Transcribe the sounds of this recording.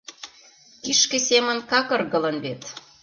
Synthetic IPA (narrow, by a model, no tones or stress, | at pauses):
kiʃkĕsemə̆nkɑkə̆rɣə̆lənβet̪